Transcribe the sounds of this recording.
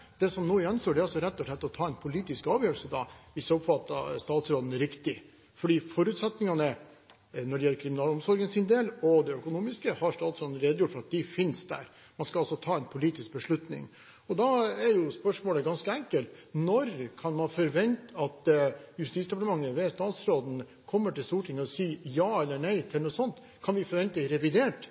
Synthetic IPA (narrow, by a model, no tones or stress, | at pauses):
d̪̥ɛsɔmnoːɪɛnsoːɖɛɾɑlsɔɾɛt̪ːɔʂlɛt̪ːɔt̪ʰɑːɛnpʰʊliːt̪ɪskɑːʋjøːɾɭl̩səd̪ɑ̰ɪsəɔpfɑt̪ːɑ̰st̪ɑːt̪sɾoːd̪n̩ɾɪkt̪ɪ | fɔɖiːfɔɾʉːt̪sɛt̪nɪŋɑnə | nɔɖɛjɛlːəɾkʰɾɪmɪnɑːlɔmsɔɾɡənsɪnd̪eːlɔd̪ɛœkʊnuːmɪskəhɑɾsʂʈ̪ɑːt̪sɾoːd̪n̩ɾeːd̪əjʊʈːfɔɾɑt̪d̪ɛfɪnsd̪æ̰ɾ | mɑnskɑɑlsɔt̪ʰɑːɛnpʰʊliːt̪ɪsk̚bəʂɭʉt̪nɪ̰ŋ | ɔd̪ɑɛɾjʊspœʂmoːləɡɑnskəɛŋkəlt̪nɔɾkʰɑnmɑnfɔɾʋɛnt̪ɑt̪jʉst̪iːsd̪ɛpɑʈ̪əmɑŋːəʋeːst̪ɑːt̪sɾoːd̪n̩ | kʰɔmːəʈɪlst̪uːʈʰɪŋːəɔsiːjɑːɛlːəɳæɪt̪ʰɪlnuːsɔnt̪ | kʰɑnʋɪfɔɾʋɛnt̪əd̪ɪɾɛʋɪd̪eːʈ